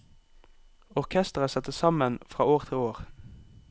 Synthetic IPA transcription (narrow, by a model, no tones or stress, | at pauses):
ɔʁkʰɛst̪əʁəsɛt̪əsɑmənfʁɑ̰ːoːʁt̪ʰɪloːʁ